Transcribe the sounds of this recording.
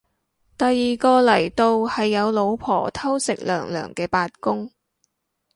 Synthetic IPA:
t̪ɐ˨jːiː˨kɔː˧lɐ˨˩jt̪o˧whɐ˨jːɐ˨˧wlo˨˧wpʰɔ̰ː˨˩t̪ʰɐ˥wsɪ˨k̚lœ̰ː˨˩ŋlœ̰ː˨˩ŋkɛː˧paː˧t̚kʊ˥ŋ

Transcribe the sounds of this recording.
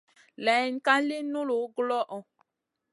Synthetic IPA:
lɛ˨˦n˦ka˦li˦nu˦lo˨˦ɡlɔ˦ʔɔ˨

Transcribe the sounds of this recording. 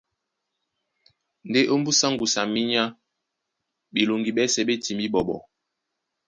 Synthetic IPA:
n̩˨de˦ʔo˦m̩˦bu˦sa˦ŋɡu˨sa˨mi˦ɲa˦ | bi˨lo˨ŋɡi˨ɓɛ˦sɛ˨ɓe˦ti˨mi˦ɓɔ˨ɓɔ̰˨

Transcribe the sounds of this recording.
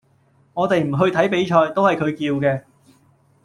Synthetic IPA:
ŋɔː˨˧t̪e˨jm̩˨˩ɦɵ˧ɥt̪ʰɐ˨˥jpe˨˥jt͡ʃʰɔː˧jt̪o˥whɐ˨jkʰɵ˨˧ɥkiː˧wkɛː˧

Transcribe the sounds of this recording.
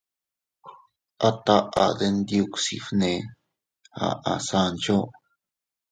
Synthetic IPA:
a˦˧t̪a˦ʔa˨d̪e˧nd̪ju˧ksḭ˧fnẽ˧ | ha̰˨˧ʔa˨sa˧nt͡ʃo˦

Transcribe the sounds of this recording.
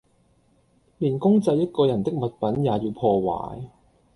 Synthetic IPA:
liː˨˩nkʊ˥ŋt͡sɐ˧jːɐ˥t̚kɔː˧jɐ˨˩nt̪ɪ˥k̚mɐ˨t̚pɐ˨˥njaː˨˧jiː˧wpʰɔː˧wa̰ː˨˥j

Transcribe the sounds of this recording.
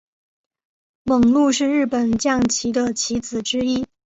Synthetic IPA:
mə˨˩ŋlu˥˧ʂɻ̩˥˧ɻɻ̩˥˩pə˨˩nt͡ɕjɑ˥˩ŋt͡ɕʰi˧˥d̪ə˧t͡ɕʰi˧˥t͡sɹ̩˨˩ʈ͡ʂɻ̩˥i˥

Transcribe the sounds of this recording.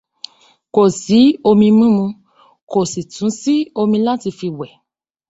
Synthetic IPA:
ko˨si˨˦o˧mĩ˧mĩ˦mũ˧ | ko˨si˨tũ˨˦si˦o˧mĩ˧lã˦ti˧fi˧wɛ˨

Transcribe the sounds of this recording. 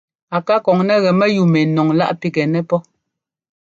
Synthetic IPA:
a˨ka˦kɔ˨ŋnɛ˦ɣɛ˨mɛ˦ju˨mɛ˨nɔ˨ŋla̰˦ʔpi˦kɛ˨nɛ˦pɔ˦

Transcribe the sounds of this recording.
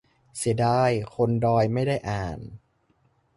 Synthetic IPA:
si˨˩˦daː˧jkʰo˧ndɔː˧jma˥˩jdaː˥˩jʔaː˨˩n

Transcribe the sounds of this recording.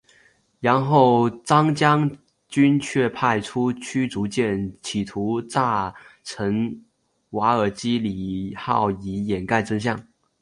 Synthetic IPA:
ɻa˧˥nxo˥˩ʊt͡sɑ˥ŋt͡ɕjɑ˥ŋ | t͡ɕy˥nt͡ɕʰɥɛ˥˧pʰa˥˩ɪʈ͡ʂʰu˥t͡ɕʰy˥t͡su˧˥t͡ɕjɛ˥˩nt͡ɕʰi˨˩t̪ʰu˧˥t͡sa˥˩ʈ͡ʂʰə˧˥ŋ | wa˧˥ə˞˨˩t͡ɕi˥li˨˩xɑ̰˥˩ʊi˧˥jɛ˨˩nka˥˩ɪt͡sɤ˥ŋɕ̬jɑ˥˩ŋ

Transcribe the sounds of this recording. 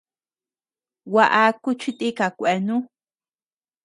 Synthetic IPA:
wa˧ʔa˧ku˦t͡ʃi˦t̪i˦ka˨kʷe˨nũ˦

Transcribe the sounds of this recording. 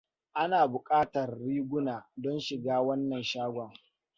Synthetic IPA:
ʔa˦naː˨bʊ˨kʼaː˦tɐ˨rːiː˦ɡʷʊ˦naː˨dɔ˦nʃɪ˨ɡaː˦wɐ˦nːɐ˨nʃaː˦ɡʷɔ˨ŋ

